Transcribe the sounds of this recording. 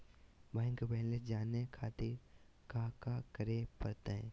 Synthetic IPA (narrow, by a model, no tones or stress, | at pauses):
bãɪ̃ŋkbɛɦnled͡ʒaːnekʰaːt̪ɪɾ | kakakəɾepɐɾt̪eɦɛ̰̃ː